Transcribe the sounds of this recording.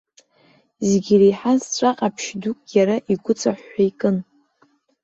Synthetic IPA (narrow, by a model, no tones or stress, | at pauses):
zeɡʲirejħazt͡ɕʷʼaqʼapʰʃdukʼjaɾaʔiɡʷʊt͡sʼaħʷːaikʼɨn